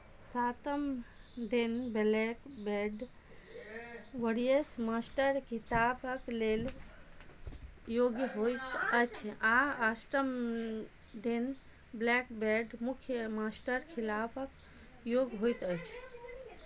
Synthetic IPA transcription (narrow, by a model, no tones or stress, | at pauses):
sat̪əmɖenblɛkbɛɖ | ʋəɽijesmasʈəɾkit̪apʰəklel | joɡɦojt̪əjt͡ʃʰaasʈəm | ɖen | blɛkbeɖmukʰjəmasʈəɾkʰilapʰək | joɡɦojt̪əjt͡ʃʰ